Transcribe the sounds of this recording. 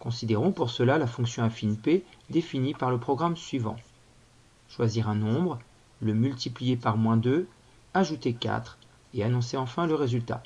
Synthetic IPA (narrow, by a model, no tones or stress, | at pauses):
kɔ̃sid̪eʁɔ̃puʁsəlalafɔ̃ksjɔ̃afinped̪efinipaʁləpχɔɡʁamsɥivɑ̰̃ | ʃwaziʁɛ̃nɔ̃bʁ | ləmylt̪iplijepaʁmwɛ̃d̪ø | aʒut̪ekʲa̰t̪χ | eanɔ̃seɑ̃fɛ̃ləʁezylt̪a̰